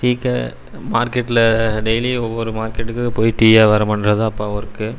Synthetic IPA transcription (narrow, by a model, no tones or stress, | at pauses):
siːkːɐ̰ | maːɾkɛʈːɪlɐɖɛjliɔʋːɔɾɯmaːɾkɛʈːɯkːɯpoːjʈiːjaːʋɐɾɐmɐnɾɐðɯɐpːaːʋɐɾɯkːɯ